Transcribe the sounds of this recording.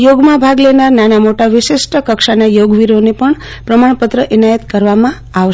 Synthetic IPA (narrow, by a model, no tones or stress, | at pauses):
joɡmãbʱaɡlenaɾnanamoʈaʋɪʃɪʃʈəkəkʃanajoɡʋiɾonepəɳ | pɾəmaɳ̃pət̪ɾəʔinajət̪kəɾʋamã | aʋ